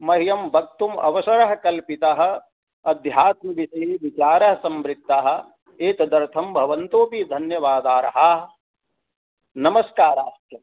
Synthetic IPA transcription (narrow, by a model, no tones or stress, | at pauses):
mɐɦijɐmbʱɐk̚t̪umɐ̰ʋɐsɐɾɐɦɐkɐlpit̪ɐɦɐ̆ | ɐd̪ʱjaːt̪̚mɐʋisɐɦiʋit͡ʃaːɾɐɦɐsɐmbɾɪt̪ːaɦɐ̆ | eːt̪ɐd̪ɐɾt̪ʰɐmbʱɐʋɐnt̪oːpid̪ʱɐnjɐʋaːd̪aːɾɐɦa | nɐmɐskaːɾaːst̪jɐ